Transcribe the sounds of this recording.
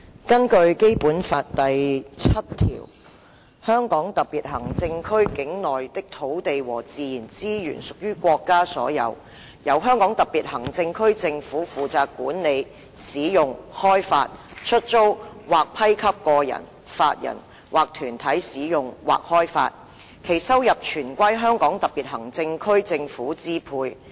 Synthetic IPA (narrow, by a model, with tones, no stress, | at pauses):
kɐ˥nkɵ˧ɥke˥jpuː˨˥nfaː˧t̚t̪ɐ˨jt͡sʰɐ˥t̚t̪ʰḭː˨˩w | hœː˥ŋkɔː˨˥ŋt̪ɐ˨piː˨t̚hɐ˨˩ŋt͡sɪ˧ŋkʰɵ˥ɥkɪ˨˥ŋnɔː˨jt̪ɪ˥k̚t̪ʰo˨˥wt̪e˨jwɔ̰ː˨˩t͡siː˨˧jiː˨˩nt͡siː˥jy̰ː˨˩nsʊ˨k̚jyː˥kʷɔː˧kːaː˥sɔ̰ː˨˧˥jɐ̰˨˧w | jɐ˨˧wɦœː˥ŋkɔː˨˥ŋt̪ɐ˨p̚piː˨˩t̚hɐ˨˩ŋt͡sɪ˧ŋkʰɵ˥ɥt͡sɪ˧ŋfuː˨˥fuː˨t͡saː˨˧kːuː˨˥nne˨˧j | siː˨˥jʊ˨ŋhɔː˥jfa̰ː˧t̚t͡ʃʰɵ˥t̚t͡so˥wwaː˨˩k̚pʰɐ˥jkʰɐ˥p̚kɔː˧jɐ̰˨˩n | fa̰ː˧t̚jɐ̰˨˩n | waː˨˩k̚t̪ʰyː˨˩nt̪ʰɐ˨˥jsiː˨˥jʊ˨˩ŋwa̰ː˨k̚hɔː˥jfa̰ː˧t̚ | kʰe˨˩jsɐ˥wjɐ˨p̚t͡ʃʰyː˨˩nkʷɐ˥jɦœː˥ŋkɔː˨˥ŋt̪ɐ˨˩p̚piː˨t̚ɦɐ˨˩ŋt͡sɪ˧ŋkʰɵ˥ɥt͡sɪ˧ŋfuː˨˥t͡siː˥pʰuː˧j